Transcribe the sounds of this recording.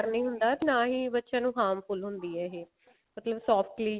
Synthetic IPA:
ɾnəĩːɦʊnd̪aːnãːɦiːbətːʃãːnũːɦaːmpʰʊlɦʊnd̪iːɛːɦeː | mət̪ləbsɔːfʈliː

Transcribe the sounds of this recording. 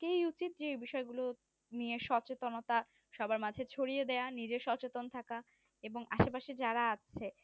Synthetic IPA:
kejut͡ɕit̪̚d͡ʑeejbiʃɔeɡulo | nieʃɔt͡ɕet̪onot̪a | ʃɔbaɾmad͡ʑʱet͡ɕʰoɽijed̪eanid͡ʑeɾʃɔt͡ɕet̪ont̪ʰaka | eboŋaʃepaʃid͡ʑaɾaat͡ɕʰe

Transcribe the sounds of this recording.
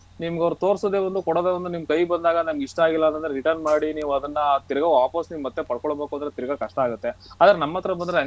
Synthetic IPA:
nimɐɡɐʋɐɾut̪oːɾsoːd̪e̞ːʋond̪ukɔɽoːd̪eːʋond̪unimkɐjbɐnd̪aːɡɐnimɡiʂʈɐaːɡilːɐnt̪ɐnd̪ɐɾe̞ɾiʈɐɾnmaːɽiniːʋuɐd̪ɐnːɐt̪iɾɐɡɐʋaːpɐsniːʋumɐt̪ːe̞pɐɽkɔɭbeːkuɐnd̪ɐɾet̪iɾɐɡɐkɐʂʈɐaːɡut̪ːe̞aːd̪ɐɾenɐmːɐt̪ːɐɾɐbɐnd̪ɾeɐ

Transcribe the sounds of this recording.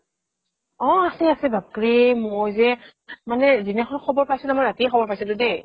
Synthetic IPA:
ɔ̃asɛasɛbapɹimojzɛ | manɛzinakʰɔnɔkʰɔbɔɹpajsɛnamɔɹatixʰɔbɔɹpajsɛdʊde

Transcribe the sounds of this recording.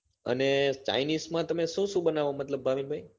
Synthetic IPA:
ə̰net͡ʃa̰inismãt̪əmeʃũʃũbənaʋomət̪ləbːaʋinbʱaj

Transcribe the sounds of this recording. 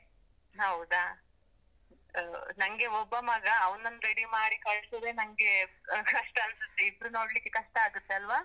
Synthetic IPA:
ɦɐwud̪a | nɐŋɡe̞ɔbːɐmɐɡɐːʋnɐnːɾeɽimaːɽikɐɭsɐd̪e̞nɐŋɡe̞kɐʂʈɐɐnsut̪ːeibɾunoːɽlikːekɐʂʈɐaːɡut̪ːeɐlʋaː

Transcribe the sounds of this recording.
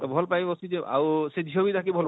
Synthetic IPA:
bʱɔlpajbɔsizeʔa̰wsedʱiɦobit̪ʰakibʱɔl

